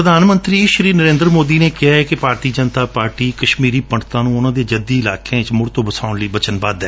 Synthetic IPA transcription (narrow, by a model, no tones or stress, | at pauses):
pɾəd̪ʱaːnmə̃nt̪ɾiːʃɾiːnəɾẽːnd̪ɾmoːd̪iːneːkɪɦaːɛːkɪpaːɾt̪iːd͡ʒənt̪aːpaːɾʈiːkəʃmiːɾiːpəɳɖt̪ãːnũːʊnãːd̪eːd͡ʒəd̪iːɪlaːkʰẽːɪt͡ʃmʊɾt̪õːbəsaːʊnləiːbət͡ʃənbaːd̪ɛː